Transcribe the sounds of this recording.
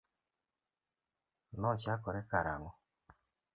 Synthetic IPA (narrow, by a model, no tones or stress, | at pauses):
lɔt͡ʃakɔɾɛkaɾa̰ŋɔ